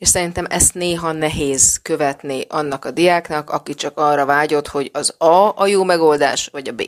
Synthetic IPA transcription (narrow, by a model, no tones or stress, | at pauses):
eːʃsɛɾint̪ɛmɛst̪neːɦɒnɛɦeːzkø̞vɛt̪niʔɒnːɒkɒd̪ijaːknɒkɒkit͡ʃɒkɒrːɒvaːɟo̞t̪ho̞ɟɒzɒɒjoːmɛɡo̞ld̪aːʃʋɒɟɒbḛː